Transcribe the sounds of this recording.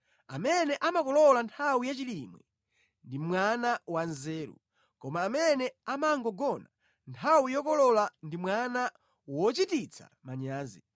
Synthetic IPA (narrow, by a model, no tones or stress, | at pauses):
a̰mɛnɛʔamakɔlɔlantʰawijat͡ʃilimwɛ̰ | ndimwanawanzɛːɾṵ | kɔmaːmɛnɛamaŋɡɔɡɔna | ntʰawijɔkɔlɔlandimwana | wɔt͡ʃitit͡sʰa̰maɲaːzḭ